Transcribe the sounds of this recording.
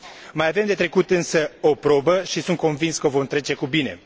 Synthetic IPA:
majave̞md̪e̞t̪ɾe̞kut̪ɨnsəo̞pɾo̞bəʃisunt̪̚ko̞nvinskəvo̞mt̪ɾe̞t͡ʃe̞kubine̞̰

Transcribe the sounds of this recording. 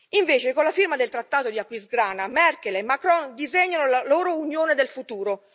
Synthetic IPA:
iɱveːt͡ʃekonlafirmad̪elt̪ɾat̪ːaːt̪od̪iakːwisɡɾaːnamɛrkelemːakɾɔnd̪izeɲːanolaloːɾounjoːned̪elfut̪uːɾo

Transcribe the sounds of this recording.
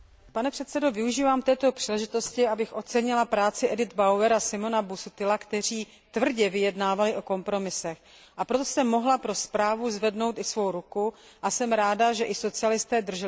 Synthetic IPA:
panɛpr̥ɛt̪sɛdo̞vɪuʒiːvaːmt̪ɛːt̪opr̥iːlɛʒɪt̪o̞scɪabɪxʔo̞t͡sɛɲɪlapɾaːt͡sɪʔɛdɪd̪bawɛɾasɪmo̞nabusut̪ɪlakt̪ɛr̝iː | t̪vr̩ɟɛvɪjɛdnaːvalɪʔo̞ko̞mpɾo̞mɪsɛx | ʔapɾot̪o̥sɛmːo̞ɦlapɾo̞spɾaːvuzvɛdno̞wt̪ɪsvo̞wɾukuʔasɛmɾaːdaʒɛʔɪso̞t͡sɪalɪst̪ɛːd̪r̩ʒɛ

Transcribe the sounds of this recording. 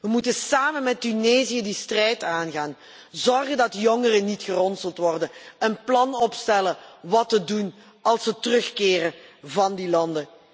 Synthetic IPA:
ʋəmutənsaːmənmɛtyneːzijədistrɛjtaːnɣaːn | zɔrɣəndɑtjɔŋərənitxərɔnsəlˠtʋɔrdənənplɑnɔpstɛləʋɑtədun | ɑlˠsətərɵxkɪːrəvɑndilɑndə

